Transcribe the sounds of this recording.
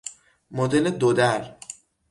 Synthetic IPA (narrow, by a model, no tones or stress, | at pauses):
mod̪eled̪od̪æɾ